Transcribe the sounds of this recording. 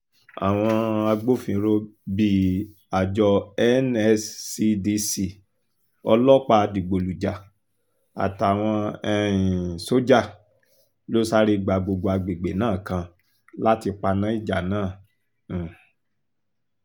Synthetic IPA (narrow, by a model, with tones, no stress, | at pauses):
a̰˨w̃ɔ̃˧a˧ɡ͡bo˦fĩ˨˧˦ɾo˧bi˨ | a˨d͡ʒɔ˧ɛ˦nɛ˧sːi˧di˧si˨ | ɔ˧lɔ˦k͡pa˧di˨ɡ͡bo˨lu˨d͡ʒa˨ | a̰˨ta˨w̃ɔ̃˧ɛ˧ĩ˨so˦d͡ʒa˦˨ | lo˦sa˦ɾi˦˧ɡ͡ba˨ɡ͡bo˧ɡ͡bo˧a˧ɡ͡be˨ɡ͡be˨˦nãː˦˨kã˧ | la˦ti˧k͡pa˧nã˦i˦˨d͡ʒa˨nãː˦˨